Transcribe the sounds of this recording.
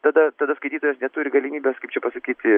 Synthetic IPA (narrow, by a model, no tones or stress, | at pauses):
t̪ɐd̪ɐt̪ɐd̪ɐskɐɪt̪ʲiːt̪oːjɛsnʲɛt̪uːɾʲɪɡɐlʲɪmʲiːbʲɛskɐɪpt͡ʃʲɛpɐsɐkʲiːt̪ʲɪ